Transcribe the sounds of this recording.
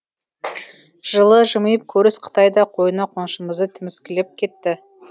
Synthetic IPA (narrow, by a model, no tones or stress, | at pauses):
ʒ̥əlˠəʒəməjəp̚kʲʰɵɾɪsqʰə̥t̪ɑjd̪ɑqʰo̞jənɑqʰonʃəməzd̪ət̪ʰɪmɪskʲɪlep̚kʲʰe̞t̪ːɪ